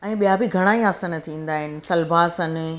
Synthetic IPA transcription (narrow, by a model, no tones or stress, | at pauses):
ɛ̃ːɓijabɪɡʱɐɽ̃aːiaːsənɐt̪ʰĩːn̆d̪aːɦɪnɪ̆sɐlbʱaːsɐnɪ